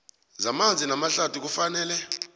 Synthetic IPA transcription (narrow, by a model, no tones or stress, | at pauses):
zamand͡zʱinamaɬatʰuk̬ufanɛːlɛ